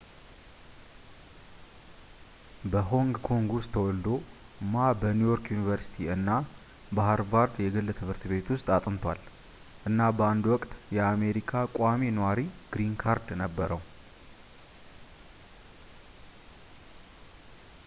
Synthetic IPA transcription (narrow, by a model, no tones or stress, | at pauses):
bəɦo̞ŋɡkʰo̞ŋɡwʊst̪ʰːəwɔld̪o | mabənujoɾkjunivəɾsi̥t̪ʰiɨnːa | bahəɾbaɾd̪jɛɡɨlːət̪ʰɨbɨɾt̪ʰɨβe̞t̪wʊst̪ʼat̪ʼɨmt̪ʰa̰l | ʔɨnːabəand̪uwɔkʼt̪jɛame̞ɾikʰakʼaminəwaɾiɡ̥ɾiŋkʰaɾd̪nəbːəɾəw